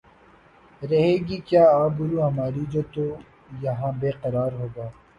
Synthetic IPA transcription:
ɾɐɦeːɡiːkjaːaːbʊɾuːɦɐmaːɾid͡ʒoːt̪o | jɐɦãːbeːqɐɾaːɾɦoːɡaː

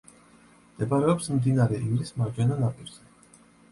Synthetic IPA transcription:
md̪ɛbaɾɛɔpsmd̪inaɾɛʔivɾismaɾd͡ʒɛnanapʼiɾzɛ

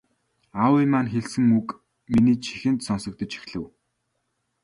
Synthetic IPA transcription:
awimaːnxeɮsɘ̆ŋuk | miniːt͡ɕʰi̥xɘ̆nt̪sɔnsɞ̆k̚t̪ə̆t͡ɕi̥xɮɘ̆w

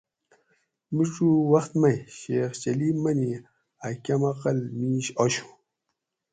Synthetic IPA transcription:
miʈ͡ʂuwɐxt̪mɐjɕeːxt͡ɕɐliːmɐni | akʲɐmɐqɐlmiːɕoɕu̥

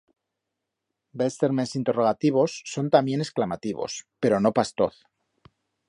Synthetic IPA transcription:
best̪eɾmensint̪e̞ro̞ɣ̞at̪iβ̞o̞sːo̞nt̪amje̞ne̞sklamat̪iβo̞̰spe̞ɾo̞no̞past̪o̞̰θ

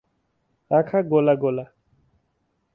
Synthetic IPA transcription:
ɾakʰaɡolaɡola

